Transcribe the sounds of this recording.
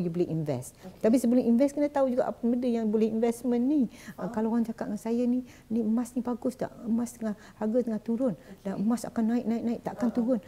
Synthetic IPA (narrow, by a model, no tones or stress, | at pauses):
jubəlɛʔinvɛ̰st̪t̪ap̬isəbəlɛʔinvɛskənət̪aud͡ʒuɡa̰ʔpəmədəjaŋbolɛhinvɛsmənːiəkalaand͡ʒakatʔ̪ŋansajani | nimasnibaɡʊsda̰ʔmast̪əŋah | haɡət̪əŋaht̪uɾʊndaʔmasa̰kanːaɪk̚naɪk̚naɪʔ̚t̪aʔkant̪uɾʊn